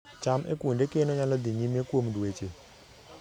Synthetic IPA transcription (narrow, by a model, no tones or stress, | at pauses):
t͡ʃamʔḛkwundekenoɲalɔd̪iɲimekwomdwet͡ʃe